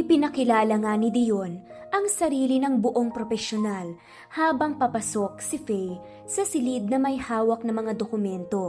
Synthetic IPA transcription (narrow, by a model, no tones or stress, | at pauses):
ʔɪpɪnɐkɪlaːlɐŋanɪd̪ɪjo̞n | ʔɐŋsɐɾiːlinɐŋbʊʔo̞ŋpɾo̞fɛsjonal | haːbɐŋpɐpɐsok̚sɪfɛj | sɐsɪlid̪̚nɐmɐjhaːwɐk̚nɐmɐŋad̪okʊmɛnt̪o̞